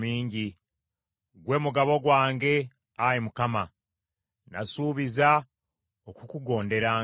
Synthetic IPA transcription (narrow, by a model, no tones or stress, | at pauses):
miːɲɟi | ɡwe̞ːmuɡaβo̞ɡwaːŋɡe̞ | ajimukama | nasuːβiza | okukuɡo̞ːnde̞ɾaː